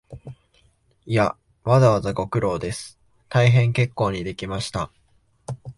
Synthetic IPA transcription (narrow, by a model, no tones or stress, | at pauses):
ija | βazaβazaɡo̞kɯ̟ɾo̞ːd̪e̞sɨ̥ | t̪aiɦẽ̞ŋke̞kːo̞ːɲ̟id̪e̞kʲimaɕi̥t̪a